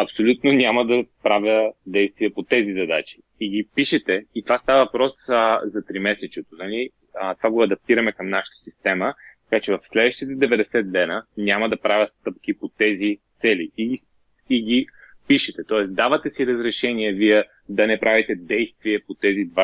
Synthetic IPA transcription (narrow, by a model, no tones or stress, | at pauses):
ɐpsolʲut̪nonʲamɐd̪ɐpɾavʲəd̪ɛjst̪viɛpot̪ɛzizɐd̪at͡ʃi̥ːɡ̟ipiʃɛt̪ɛit̪ovast̪avɐvɐpɾɔszɐt̪ɾimɛsɛt͡ʃɛt̪onɐli | t̪ovaɡoɐd̪ɐp̚t̪iɾɐmɛkəmnaʃə̥t̪ə̥sist̪ɛmət̪ɐkat͡ʃɛvɐfslɛd̪vəʃt̪it̪əd̪ɛvɛd̪ɛsɛt̪̚d̪ɛnənʲamɐd̪ɐpɾavʲəst̪ɤp̚k̟ipot̪ɛzit̪sɛliiɡi | iɡʲi | piʃɛt̪ɛt̪ɔɛsd̪avət̪ɛsiɾəzɾɛʃɛniɛviɛ | d̪ɐnɛpɾʔavit̪ɛd̪ɛjst̪viɛpot̪ɛzid̪va